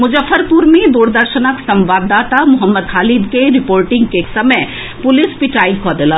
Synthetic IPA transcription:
mʊd͡ʒəfːəɾpʊɾmẽd̪uːɽd̪əɾʃənəksɐ̃mʋaːd̪ːaːt̪amʊɦəmːəd̪ɦaːlid̪keɾɪpoːɾʈɪ̃ŋɡkesɐməj | pʊlɪspɪʈaːikʰɔd̪elaː

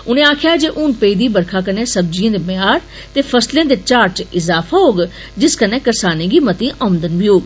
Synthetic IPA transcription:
ʊnẽːaːkʰjaːd͡ʒeːʔʊnpeid̪iːbəɾkʰaːkənẽːsəbd͡ʒijãːd̪eːbəjaːɾ | t̪eːpʰəslẽãːd̪eːt͡ʃaːɾt͡ʃɪzaːfʰaːɦoːɡ | d͡ʒɪskənẽːkəɾsaːnẽːɡiːmət̪ĩːʔənd̪ənʋiːɦoːɡ

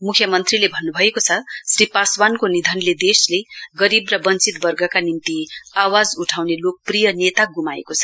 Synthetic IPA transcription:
mukʰjʌmʌnt̪rilebʱʌnːubʱʌekot͡sʰʌsripaswankonid̪ʱʌnled̪esleɡʌɾibrʌbʌnt͡sit̪bʌrɡʌkanint̪iawad͡zuʈʰawnelok̚prijʌnet̪aɡumaḛkot͡sʰʌ̥

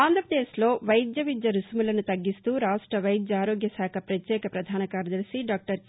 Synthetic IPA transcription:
aːnd̪ʱɾɐpɾɐd̪eːslo̞ːʋɐjd̪jɐʋid̪jɐɾusmulɐnut̪ɐɡːist̪uːɾaːʂʈɾɐʋɐjd̪jɐaːɾoːɡjɐsaːkʰɐpɾɐt̪jɛːkɐpɾɐd̪ʱaːnɐkaːɾɐd̪ɐɾsiɖaːk̚ʈɐɾ

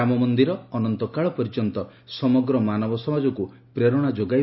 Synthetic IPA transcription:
amɔmɔnd̪iɾɔːnɔnt̪ɔkaɭɔpɔɾid͡ʒɔnt̪ɔ | sɔmɔɡɾɔmanɔbɔsɔmad͡ʒɔku | pɾeɾɔɽ̃ad͡ʒoɡa

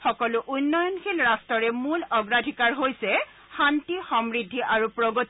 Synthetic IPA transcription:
xɔkɔlʊʔunːɔjɔnkʰilɹastɔɹɛmulɔɡɹadʱikaɹɦojsɛ | xantixɔmɹidʱːiʔaɹupɹoɡot

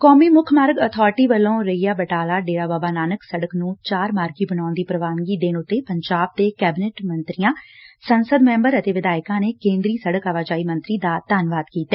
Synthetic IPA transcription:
kɔːmiːmʊkʰmaːɾəɡət̪ʰɔːɾɪʈiːbəlːõːɾəijaːbəʈaːlaːɖeːɽaːbaːbaːnaːnəksəɽəknũːt͡ʃaːɾmaːɾɡiːbənaːnd̪iːpɾəʋaːnɡiːd̪eːnʊt̪ːeːpəɲd͡ʒaːb̚t̪eːkɛːbɪneːʈmənt̪ɾɪjãːsənsəd̪mɛ̃ːmbəɾət̪eːʋɪd̪aːɪkãːneːkẽːnd̪ɾiːsəɽəkaʋaːd͡ʒaːiːmə̃nt̪ɾiːd̪aːt̪aːnʋaːd̪kiːt̪ɛː

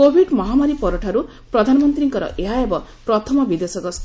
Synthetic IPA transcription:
kobʱiɖmɔɦamaɾipɔɾuʈʰaɾu | pɾɔd̪ʱanɔmɔnt̪ɾiŋkʌɾɔ̰ʔeɦaebɔpɾɔt̪ʰɔmɔbid̪esɔɡɔs

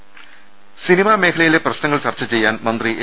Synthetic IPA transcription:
sinimaːme̞ːkʰɐlɐjile̞prɐɕnɐŋːɐɭt͡ɕɐrt͡ɕːɐt͡ɕe̞jːaːnmɐnd̪riʔe

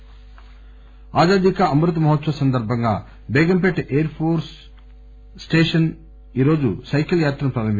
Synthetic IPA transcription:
aːd͡ʒaːd̪ikɐɐmɾut̪mɐɦɐt̪sɐsɐnd̪ɐɾbʱɐŋɡaː | bɛːɡɐmp̬eʈːʔeːɐɾpʰoːɾsː | ʈeːʂɐn | iːɾo̞ːd͡ʒusɐjkʲɐljaːt̪ɾɐmpɾɐɾɐmi

